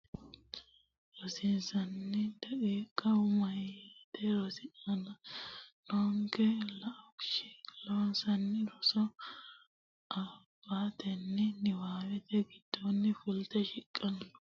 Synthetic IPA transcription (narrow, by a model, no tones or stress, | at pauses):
ɾɔsɪnsɐnːɪd̪̥ɐʔiːkʼːɐwʊmɐjat̪ɛɾɔsɪɐnɐlɔŋkɛlɐʔɔkʃɪ̥lonsɐnːɪɾɔsɔ | ʔɐb̥ːaːt̪ɛnːɪnɪwaːwɛt̪ɛɡɪd̪̥ːɔnːɪfʊlt̪ɛʃɪkʼːɐnːʊ̥